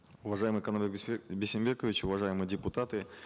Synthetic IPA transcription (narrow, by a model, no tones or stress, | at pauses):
ʊvɐʐajɪmɨjkɐnomʲɪkbʲɪsʲɪmʲbʲekəvʲɪt͡ɕʊvɐʐajɪmɨjdʲɪpʊt̪at̪ɨ